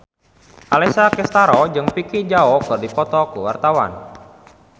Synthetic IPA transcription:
ʔalɛsakɛst̪aɾɔd͡ʒɨŋpikid͡ʒaɔkɨrdipɔt̪ɔkəwa̰rt̪awa̰n

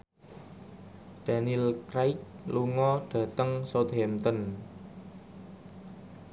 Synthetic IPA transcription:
d̪̥a̤nilkɾaɪk̚luŋɔɖ̥ä̤t̪əŋsot̪̚hɛmt̪ɔn

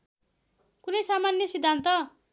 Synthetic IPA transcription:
kunʌjsamanjʌsid̪ʱːant̪ʌ

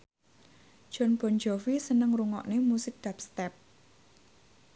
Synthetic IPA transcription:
ʒ̥ɔ̤nb̥ɔ̤nd͡ʒɔfisənəŋruŋɔ̰ʔnemusɪk̚d̪̥apst̪ɛp̚

